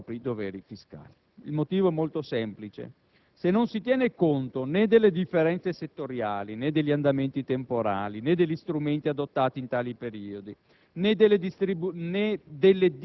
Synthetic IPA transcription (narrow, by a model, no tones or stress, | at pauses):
pɾid̪ovɛːɾifiska̰ːli | ilmot̪iːvoɛmːolt̪osɛmplit͡ʃḛ | senːonsit̪jɛːnekont̪oned̪elːed̪ifːeɾɛnt̪seset̪ːoɾjaːlined̪ːeʎːiand̪ament̪it̪empoɾaːlined̪eʎːist̪ɾument̪iad̪ot̪ːaːt̪iːnt̪aːlipeɾiːod̪i | ned̪elːed̪ist̪ɾibuned̪elːed̪